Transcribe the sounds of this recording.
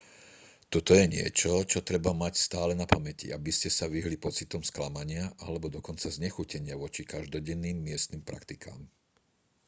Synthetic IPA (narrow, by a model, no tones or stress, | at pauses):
t̪ɔt̪ɔjɛɲɪɛ̰t͡ʃɔt͡ʃɔt̪ɾɛbamacst̪aːlɛnapamɛcḭabiscɛsaʋiɦlipɔt͡sit̪ɔmsklamaɲɪaʔalɛbɔd̪ɔkɔnt͡sazɲɛxucɛɲɪaʋɔt͡ʃikaʒd̪ɔɟɛnːiːmːɪɛst̪niːmpɾʔa̰kt̪ika̰ːm